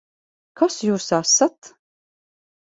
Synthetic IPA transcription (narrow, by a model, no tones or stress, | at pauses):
kʰɔsjuːɾsaːsat̪